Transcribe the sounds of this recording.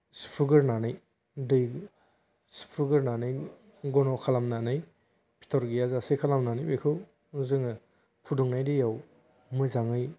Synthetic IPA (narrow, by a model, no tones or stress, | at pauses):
su̥pʰɯɡɯɾnanɯj | dɯj | si̥pʰɯɡɯɾnanɯj | ɡɔnɔkʰalamnanɯj | pʰi̥tʰɔɾɡijazasekʰalamnanɯjbejkʰɯw | zɯŋɯ | pʰuduŋnajdijaw | mɯzaŋɯj